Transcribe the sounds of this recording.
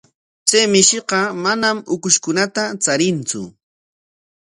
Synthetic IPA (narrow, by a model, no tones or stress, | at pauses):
t͡sejmɪʃɪqɑmanamʊkʊʃkʊnat̪at͡saɾɪnt͡sʊ̰